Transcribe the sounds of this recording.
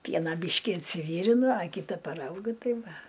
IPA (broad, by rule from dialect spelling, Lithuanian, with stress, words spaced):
ˈpʲiɛnɐ ˈbʲiːʃʲkʲɪ ɪnʲsʲɪˈʋʲiːrʲɪnʊ ɐ ˈkʲiːtɐ pɐˈrɐʊɡʲʊ ˈtɐɪ ˈʋɐ